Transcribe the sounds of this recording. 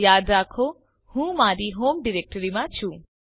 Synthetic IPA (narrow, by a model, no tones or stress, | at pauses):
jad̪ɾakʰo | hũmaɾiɦomɖiɾek̚ʈəɾimat͡ʃʰũ